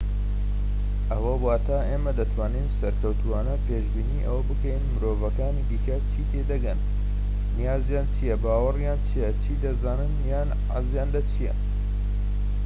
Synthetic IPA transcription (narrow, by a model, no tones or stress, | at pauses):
ʔɐwɐwaːt̪ʰaːʔeːmɐd̪ɐt̪ʰwaːninsɐɾkʰɐwt̪ʰuwaːnɐpeːʃbiːniːʔɐ̰wɐbɨkɐjnmɨɾoːvɐkaːnid̪iːkɐt͡ʃʰiːt̪ʰed̪ɐɡɐnː | ijaːzjaːnt͡ʃʰijɐbaːwɐrjaːnt͡ʃʰijɐt͡ʃʰiːd̪ɐzaːnɨnjaːn | ʕa̰zjaːnd̪ɐt͡ʃʰijɐ̰